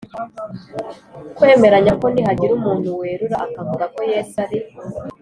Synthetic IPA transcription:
kwe̞ːme̞ɾaɲako̞nihaɟiɾumuːntuwe̞ːɾuɾaʔakavuɡako̞jeːtaɾi

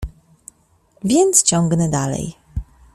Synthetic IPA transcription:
vʲjɛnt̪st͡ɕɔ̃ŋɡnɛd̪alɛ̰j

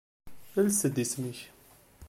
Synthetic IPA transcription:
əlsəd̪isnəç

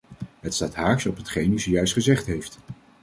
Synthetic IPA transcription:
ɦətstaːtɦaːɹsɔpɦətχejnyzəjœɥstχəzɛχtɦejft

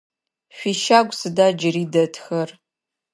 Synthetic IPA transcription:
ɕʷiːʃaːɡʷʼsɨdaːd͡ʒɪriːdɐtʰxɐr

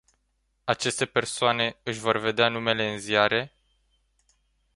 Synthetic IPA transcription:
at͡ʃe̞st̪e̞pe̞rsoane̞ɨʃʲvo̞rve̞d̪eanume̞le̞ɨnzijaɾe̞

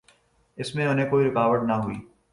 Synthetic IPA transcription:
ɪsmẽʊnɦẽkoːiɾɪkaːʋəʈnaɦʊiː

